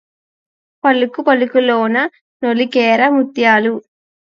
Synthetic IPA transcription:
pɐlukupɐlukuloːnɐ | nolikɛːɾɐmut̪jaːlu

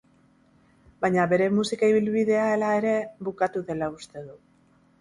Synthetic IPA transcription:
baɲaβe̞ɾe̞musikaiβ̞ilβiðe̞ae̞lae̞ɾe̞βukat̪uðe̞laust̪e̞ðu

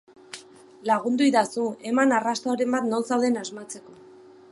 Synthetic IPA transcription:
laɣ̞und̪uiðasue̞manarast̪aoɾe̞mbat̪no̞lsawðenazmat͡se̞ko̞

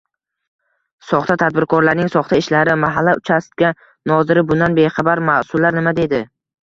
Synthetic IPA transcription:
sɒχt̪ʰat̪ʰad̪̚bɪɾkʰɒɾlaɾnɪŋsɒχt̪ʰaɪʃlaɾɪmaɦalːaʊt͡ʃʰast̪ɡʲa | nɒzɪɾɪbʊnd̪anbe̞χɑbaɾmasʊlːaɾnɪmad̪e̞d̪ɪ

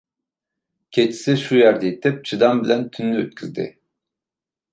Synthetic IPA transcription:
cʰet͡ʃʰi̥sɪʃujæɾd̪ɛit̪ʰːɛp̚t͡ʃʰɯd̪ɑmbilʲænt̪ʰynlʲyøt̪̚cʰʲyzd̪ɪ̰

